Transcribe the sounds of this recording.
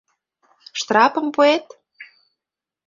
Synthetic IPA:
ʃt̪rɑpə̆mpuet̪

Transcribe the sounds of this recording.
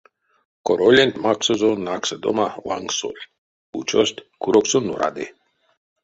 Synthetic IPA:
koɾolʲenʲt̪ʲmaksozonaksəd̪o̰mawa̰ŋɡso̰lʲ | ut͡ʃosʲt̪ʲkuɾoksunːṵɾʔa̰d̪ḛ

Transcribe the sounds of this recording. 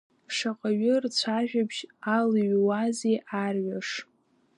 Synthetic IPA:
ʂaqʼaɥɪrt͡ɕʷʰaʒᶣabʒaliɥwazejʔarɥaʂ

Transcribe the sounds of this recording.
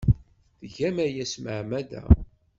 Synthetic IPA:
θʝæmæjæsməʕmæd̪æ̰

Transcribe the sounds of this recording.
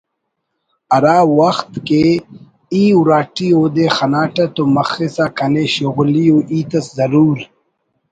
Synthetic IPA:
ɐɾaːwɐxt̪ke | iːwɾaːʈioːd̪exɐnaːʈɐt̪omɐxisakɐneɕoɣulijoʔiːt̪ɐszɐɾuːɾ

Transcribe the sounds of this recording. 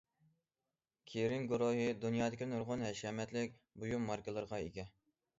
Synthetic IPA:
kʲʰeɾɪŋɡuɾoɦɨd̪unjɑːd̪ɪkʲinuɾʁʊnɦɛʃɛmɛt̪lɪkʲbujumːɑɾkɨlˠɨɾʁɑeɡʲɛ

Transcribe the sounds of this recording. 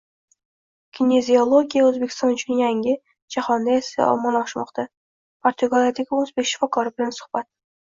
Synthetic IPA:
kʲʰinʲezʲiolˠoɡʲijaɵzbekʲɪ̥st̪ɑnʊt͡ʃʰɪnjaŋʲɪ | d͡ʒahɒnd̪ajesɪ̰ɒ̰mɑnɒʃmɒ̰qt̪a | pʰoɾt̪uɡalˠjad̪aɡʲɪɵzbekʲʃɪ̥fɒkɒɾɪbɪlansʊ̥χb̥at̪

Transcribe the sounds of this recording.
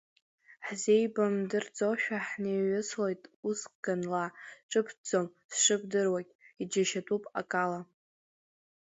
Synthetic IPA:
ħze̞jbamdɨrd͡zʼoʃᶣaħneɥʊslejtʼusqʼɡ̥anlaʈ͡ʂʼɨpʰd͡zomsʂɨp̚ʰdɨrwakʲʼid͡ʒaʃatʼupʼa̰kʼala

